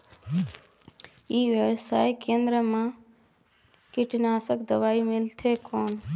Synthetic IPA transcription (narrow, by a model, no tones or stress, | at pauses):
iːʋjəʋsaːjkẽːnd̪ɾəmã | kɪʈnaːsəkd̪əʋaːimɪlt̪ʰekoːn